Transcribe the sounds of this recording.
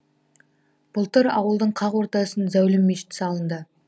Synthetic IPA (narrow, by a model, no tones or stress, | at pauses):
b̥ʊlˠt̪əɾɑ̰wəlˠd̪əɴqʰɑʁwo̞ɾt̪ɑsənzæwlɪmːeʃɪ̥t̪ɪ̥sɑlˠənd̪ə